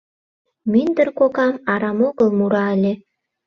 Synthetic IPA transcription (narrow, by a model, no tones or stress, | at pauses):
minʲd̪ərkokɑmɑɾɑmoɣə̆lˠmuɾɑlʲe